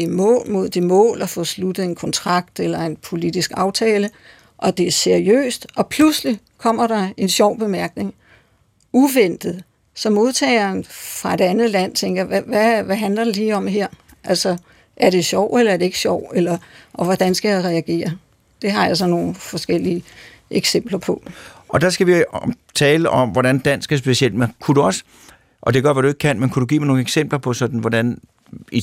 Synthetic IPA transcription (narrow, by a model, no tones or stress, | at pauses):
imɔ̰̽ːlmo̝ð̞̰ˠd̥imɔ̰̽ːlɒfɔ̽slud̥ð̩ˠe̝nkʰɒ̽nt͡sʰʁɑ̈ɡ̥̚d̥elɐe̝npʰo̝lid̥isɡ̥ɑ̈ʊt͡sʰɛːlə | ʔɒ̽d̥e̝æɐse̝ɐʁiø̰ːsd̥ʔɒ̽pʰlusli | kʰɒ̽m̰ɐɾ̥ɑ̈e̝nɕɒʊ̰b̥e̝mæɐɡ̥ne̝ŋ | uʋen̰d̥ð̩ˠ | sɒ̽mo̝ð̞ˠt͡sʰɛ̰ːɪɐnfʁɑ̈e̝d̥ænð̩ˠlæn̰t͡sʰeŋɡ̥ɐjɑʋæʋæʋæɦænlɐd̥eliːɒ̽mheɐ̰ | ʔælsɒ | ʔæɐɾ̥e̝ɕjɒʊ̰elɐæɐd̥e̝e̝ɡ̥ə̥ɕɒʊ̰elɐʔɒ̽ʋɒd̥ænsɡ̥æjaʁɛæɡ̥e̝̰ːɐ | d̥e̝ɦɑ̈jɑ̈s̬ɒ̽no̝ːn̩fɒ̽sɡ̥el̰iə | ʔeɡ̥sem̰b̥lɐpʰɒ̽ɒ̽d̥ɑ̈sɡ̥æʋi | t͡sʰɛːləʔɒ̽mʋɒɾænd̥æn̰sɡ̥æsb̥e̝siel̰d̥̚mekʰuduɒ̽sə̥ | ʔɒ̽d̥e̝ɡ̥ɶɐ̰ʋæɐd̥ue̝ɡ̥̚kʰænmenkʰud̥uɡ̥ḭːmɑno̝ːŋ̩eɡ̥sem̰b̥lɐpʰɒ̽sɒ̽d̥n̩ʋɒd̥æn | i